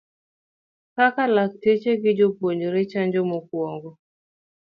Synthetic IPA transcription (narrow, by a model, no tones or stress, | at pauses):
kakalak̚tet͡ʃeɡɪd͡ʒopoɲd͡ʒoɾet͡ʃaɲd͡ʒɔmok̚wɔŋɡɔ